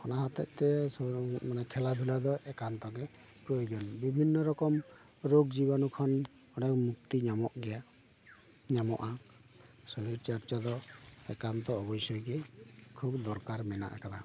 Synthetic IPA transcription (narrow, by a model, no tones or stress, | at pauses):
kʰɔnaɦat̪ɔ̰ʔ̚t̪ɛsmanɛkʰɛlad̪ʱulad̪ɔʔɛkant̪ɔɡɛ | pɾojɡɔnbibʱinːɔɾɔkɔm | ɾoɡd͡ʒibɔnukʰɔn | ɔɖɔkmuk̚t̪iɲamɔʔɡɛja | ɲamɔʔa | sɔɾiɾt͡ʃaɾt͡ʃad̪ɔɛ̰kant̪ɔːbɔjsɔjkɛkʰubd̪ɔɾkaɾmɛna̰ʔa̰kad̪a